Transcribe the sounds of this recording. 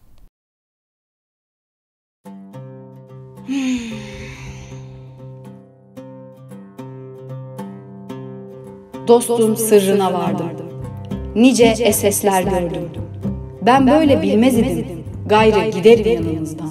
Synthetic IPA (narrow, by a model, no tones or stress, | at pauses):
d̪o̞st̪umsɯɾːɯnavaɾd̪ɯm | nid͡ʒɛɛsɛslʲæɾɟøɾd̪um | bænbø̞jlʲɛbilʲmɛzid̪im | ɡajɾɯɟid̪eɾid̪imi